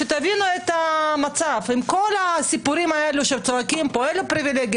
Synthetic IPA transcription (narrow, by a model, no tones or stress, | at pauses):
et̪avinuet̪amat͡safimko̞lasipuʁimae̞luʃelt͡soakimpoelupɾivileɡ